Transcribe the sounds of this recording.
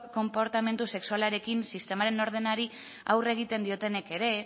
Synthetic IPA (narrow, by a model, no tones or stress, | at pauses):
ko̞mpo̞ɾt̪ame̞nt̪use̞ksualaɾe̞kinsist̪e̞maɾe̞no̞ɾð̞e̞naɾi | a̰wre̞ɣ̞it̪e̞nd̪io̞t̪e̞ne̞ke̞ɾe̞